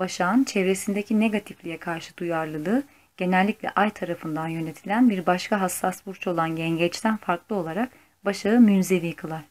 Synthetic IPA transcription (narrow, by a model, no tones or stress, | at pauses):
baʃaːnt͡ʃʰevɾe̞sind̪ecʰine̞ɡat̪ʰiflʲijɛkʰaɾʃɯd̪ujaɾlˠɯlˠɯː | ɟ̥e̞nɛlʲːicʲlʲɛ̰ʔajt̪ʰaɾafɯnd̪anjø̞ne̞t̪ʰilʲænbiɾbaʃkʰaɦasːasbuɾt͡ʃʰo̞lˠanɟɛɲɟɛt͡ʃt̪ʰænfaɾklˠɯo̞lˠaɾak | baʃaɯmynze̞viːkʰɯlˠaɾ̥